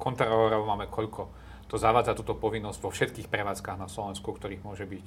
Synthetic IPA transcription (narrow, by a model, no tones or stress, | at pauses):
kʰɔnt̪ɾalɾɔʊmaːmɛkʰɔʎkʰɔ | t̪ɔzaʋaːd͡zat̪uːt̪ɔpɔʋinːɔzɟʋɔfʃɛt̪kiːxpɾɛʋaːt͡skaːɣnaslɔʋɛnskukt̪ɔɾiːɣmʊɔʒɛbic